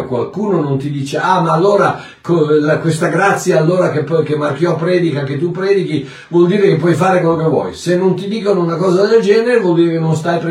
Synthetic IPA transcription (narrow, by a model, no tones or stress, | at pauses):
kwa̰lkuːnonont̪id̪iːt͡ʃeamaːlːoːɾa | kolakwest̪aɡɾat̪sːjaːlːoːɾakepːɔkemːarkjɔpːɾɛːd̪ikaket̪ːupːɾɛːd̪iki | vwɔld̪iːɾekep̬ːwɔjfaːɾekwelːokevːwɔ̰jsenːont̪id̪iːkonounakɔːzad̪eld͡ʒɛːneɾevwɔld̪iːɾekenːonst̪ajpɾ